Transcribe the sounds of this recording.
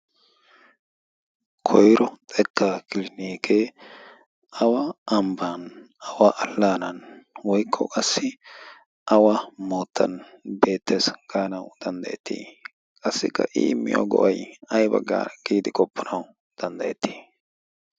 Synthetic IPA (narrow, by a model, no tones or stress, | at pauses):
kʰɔjɾɔt̪ʼɛk̪ʰːakɪlɪniːkʰe | ɐwɐʔɐmban | ɐwaʔɐlːaːnɐnwɔjkʰːɔ̰kʼɐsːɪ | ʔɐwɐmoːt̪ːɐ̰nbe̞ːt̪ʰːesɡ̥aːnɐwd̪̥ɐnd̪ɐjɛt̪ʰːḭː | kʼɐsːɪkːɐ̰ʔɪ̰ɪmːɪ̰jo̰ɡɔ̰ʔɐjɐjbɐ̰ɡːa̰ːɡ̥iːd̪ɪkʼɔpʰːɔnɐw | d̪̥ɐnd̪ɐjɛt̪ːi̥ː